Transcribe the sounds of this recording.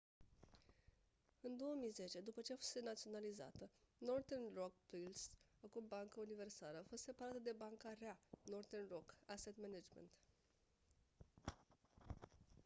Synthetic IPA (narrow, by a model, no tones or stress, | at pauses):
ɨnd̪o̞əmijze̞t͡ʃe̞d̪upət͡ʃe̞afost̪enat̪sio̞naliza̰t̪əno̞rt̪ernrok̚pilsakumbaŋkəunive̞rsaləafo̞st̪se̞paɾat̪əd̪e̞baŋkaɾeano̞rd̪enrokaset̪menad͡ʒmḛnt̪